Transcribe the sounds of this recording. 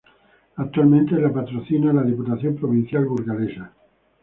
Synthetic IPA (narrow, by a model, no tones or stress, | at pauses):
ak̚t̪ualmẽnt̪elapat̪ɾoθinalaðiput̪aθjompɾoβ̞ĩn̟θjalβuɾɣalesa